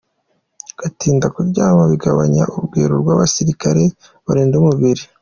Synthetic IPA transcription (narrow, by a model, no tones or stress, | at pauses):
ɡ̥atiːndakuɾɟaːmaβiɡaβaɲa̰ʔubɡḛːɾuɾɡwaːβasiɾikaɾe̞ | βaɾeːndumuβiɾi